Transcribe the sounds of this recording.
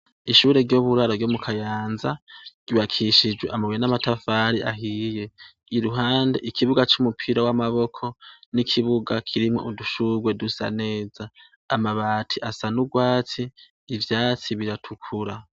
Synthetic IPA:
iʃuːɾe̞ɾɟoβuɾaɾovɡoːmukʰajaːnzaɟ̥uβakʰiʃid͡ʒweʔamaβuenamatafaːɾiʔaɦije̞ | iɾuɦaːnde̞̰ʔikʰiβuɡat͡ʃumupʰiɾawamaβo̞kʰo̞nikʰiβuɡakʰiɾimŋoʔuduʃuɡwe̞dusa̰ne̞ːzaː | maβaːtʰiʔasanuɡwaːt͡siː | vjaːt͡siβiɾatʰukʰuɾa

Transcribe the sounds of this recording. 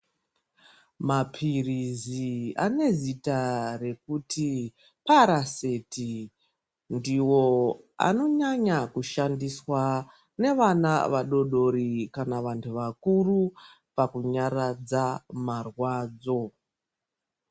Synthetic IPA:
mapʰirizia̰ne̞zitare̞kutʰi | paɾaseti | ndiwo̞ | a̰no̞ɲaɲakuʃandiswa | ne̞ʋanaʋaɗo̞ɗo̞ɾikanaʋantʰuʋakuru | pakuɲarad͡zamarwaːd͡zo̞

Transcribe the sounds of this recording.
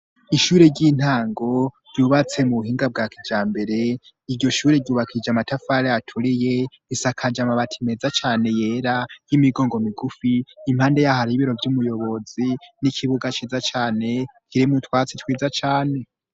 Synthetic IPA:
iʃuɾe̞ɾɟin̥haːŋɡo̞ɾɟuːβat͡se̞muβuɦiːŋɡab̚ɡakid͡ʒaːmbe̞ɾe̞ | iɾɟo̞ʃuːɾe̞ɾɟuːβakʰid͡ʒamatafaɾejatʰuɾije̞ | isakʰad͡ʒamaβatʰime̞zat͡ʃaːne̞je̞ːɾajimiɡo̞ːŋɡo̞miɡufiːm̥haːnde̞jahaɾiβiɾo̞vjumujo̞βo̞zinikʰiβuɡat͡ʃiːzat͡ʃaːne̞kʰiɾimutwaːt͡sitwiːd͡zat͡ʃaːne̞

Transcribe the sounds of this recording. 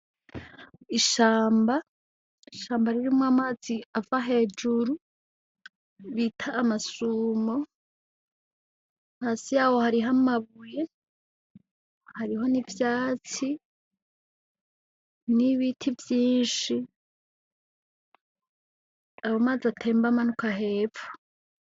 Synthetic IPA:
iʃaːmba | iʃaːmbaɾiɾimŋoamaːz̥iavaɦe̞ːd͡ʒuɾu | βitʰaʔːmasuːmo̞ | haːsijaːwo̞haɾiɦamaβuje̞ | haɾiɦo̞nivjaːt͡si | niβitʰivjiːnʃi | awomaːziatʰe̞ːmbamanukaɦe̞ːfu̥

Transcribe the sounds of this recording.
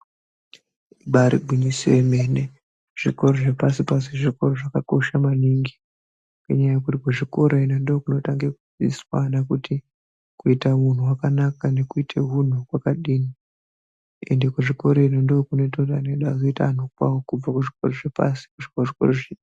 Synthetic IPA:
ɓaɾḭɡʱinisieme̞ːne̞ | ʐ̥iko̞ɾoʐe̞pasipas̬eʐiko̞ɾoʐakakoʃamaniːŋɡi | kḛɲaajekutikuʐiko̞ɾoinandookuno̞taŋɡekud͡zḭswanakuti | kuitamun̤uwakanakane̞kuitʰe̞ɦun̤ukwakaɗiːni | ende̞kuʐiko̞ɾoinondookune̞toraneɗazoita̰nokwawokub͡vakuʐiko̞ɾoʐepa̰si̥kuʐikoʐiko̞̰roʐe

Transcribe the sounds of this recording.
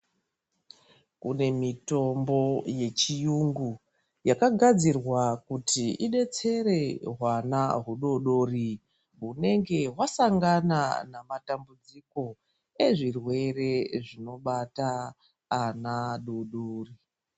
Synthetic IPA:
kune̞mito̞mbo̞je̞t͡ʃijuŋɡu | jakaɡʱad͡zirwakutiiɗe̞t͡se̞ɾe̞ɦwanaɦuɗo̞ɗo̞ːri | ɦune̞ŋɡe̞ɦwasaŋɡananamatambud͡ziko̞ | e̞ʐirwe̞re̞ʐino̞ɓataː | naɗoɗoːri

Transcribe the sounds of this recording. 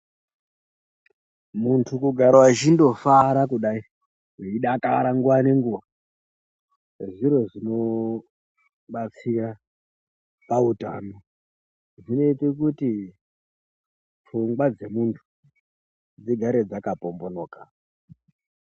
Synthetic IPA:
muntʰukuɡʱaɾawat͡ʃindo̞faɾakuɗai | iɗakaɾaŋɡuʋane̞ŋɡuʋa | ʐiɾo̞ʐino̞ | ɓat͡sira | pauta̰ːno | ʐine̞itekuti | tʰuŋɡwad͡ze̞muntʰu̥ | d͡ziɡʱaɾe̞d͡zakapo̞mbo̞noːka

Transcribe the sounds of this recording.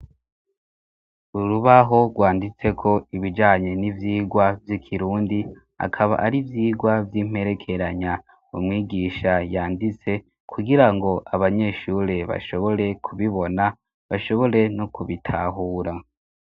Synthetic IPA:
uɾuβaɦo̞ɡwaːndit͡se̞kʰo̞iβid͡ʒaːɲe̞nivjiːɡwavjikʰiɾuːndi | a̰kʰaβa̰ʔaɾivjiːɡwavjim̥e̞ɾe̞kʰe̞ɾaɲa | umŋiːɡiʃajaːndit͡se̞ | kʰuɡiɾaŋɡo̞ʔaβaɲe̞ʃuɾe̞βa̰ʃo̞βo̞ɾe̞kʰuβiβo̞na | βaʃo̞βo̞ɾe̞nokuβitʰa̰ɦuːɾa

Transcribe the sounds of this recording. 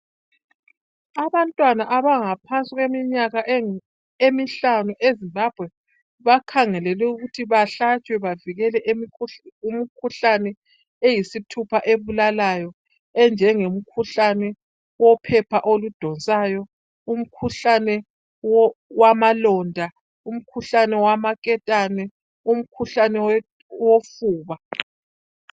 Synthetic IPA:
aβantʼwanaʔaβaŋapʰant͡sʼiɣwemiɲaɣaʔ | emiɬanuʔezimbab̥ʱwɛ | βakʰaŋɛlɛlɛuɣutʰiβaɬat͡ʃʼwɛβaviɣɛlɛʔmum̩kʰuɬanɛ | ejisitʰupʰaʔeβulalajɔ | ɛnd͡ʒʱɛŋem̩kʰuɬanɛ | wɔpʰɛpʰaʔolud̥ʱɔnt͡sʼajɔ | um̩kʰuɬanɛ | wamalɔndʱa | um̩kʰuɬanɛwamakʼɛtʼanɛ | um̩kʰuɬanɛw | wofuːβa

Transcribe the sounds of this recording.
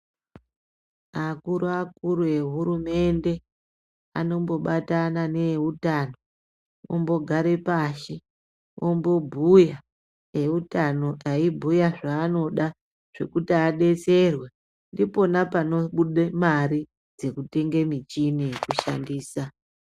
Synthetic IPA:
akuɾuakuɾue̞ɦuɾume̞nde̞ | a̰no̞mbo̞ɓatanane̞utano̞ | o̰mbo̞ɡʱaɾe̞paʃi | ombo̞bʱuja | e̞utano̞ʔaibʱujaʐaːno̞ɗa | ʐ̥e̞̰kutiaɗe̞t͡se̞rwe | ndipo̞napano̞ɓuɗemaɾi | d͡ze̞kute̞ŋɡe̞mit͡ʃinekuʃa̰ndiːsa

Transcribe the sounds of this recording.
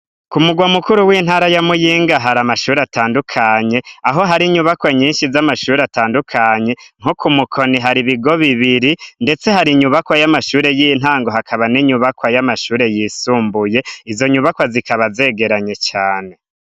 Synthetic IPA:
kumuɡwamukuɾuwiːn̥aːɾajamujiːŋɡaɦaɾamaʃuːɾeataːndukʰaɲe̞aɦo̞ɦaɾiɲuβakwaɲiːnʃizamaʃuːɾeataːndukʰaɲe̞ŋ̥hukumukʰo̞niɦaɾiβiɡo̞βiβiɾinde̞t͡se̞haɾiɲuβakwajamaʃuːɾe̞jin̥ɦaːŋɡo̞ɦakʰaβaniɲuβakwajamaʃuːɾe̞jisuːmbuje̞izo̞ɲuβakwazikaβaze̞ːɡe̞ɾaɲe̞t͡ʃaːne

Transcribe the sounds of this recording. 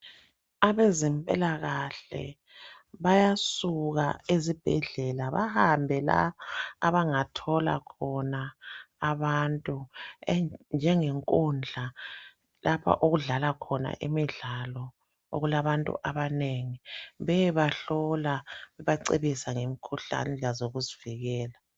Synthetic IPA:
aβezɛmpʼɛ̰laɣaɬɛ̰ | βajasuɣa̰ezib̥ʱɛɮɛlaβa̰hambʱɛla̰ːβaŋatʰɔla̰kʰɔnaː | βantʼu | nd͡ʒʱɛŋeŋkʼund͡ɮʱa | lapʰa̰ʔoɣuɮalakʰɔna̰ʔḭmiɮalɔ | o̰ɣulaβantʼṵʔaβaneŋiβɛβaɬɔlaβɛβaǀḛβisaŋemikʰuɬa̰nɛlazoɣuziviɣɛːla

